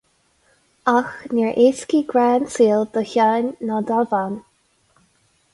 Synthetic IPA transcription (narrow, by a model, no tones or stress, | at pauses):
axniɹʔeskiɡɹɛːnsiːld̪̥əçanːad̪avan